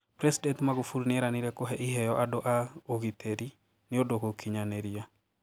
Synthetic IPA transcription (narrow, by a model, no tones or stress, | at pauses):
pɾɛsidɛntmaɣufuɾnɪɛɾaniɾɛkoɦɛʔiɦɛjɔʔadoʔaoɣitʰɛɾi | nɪodokokiɲanɛɾia